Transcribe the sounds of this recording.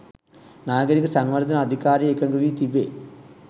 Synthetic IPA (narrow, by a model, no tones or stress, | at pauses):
naːɡɐɾikɐsɐŋʋɐɾd̪ʱɐnɐɐd̪ʱikaːɾjɐekːɐŋɡɐʋiːt̪ibeː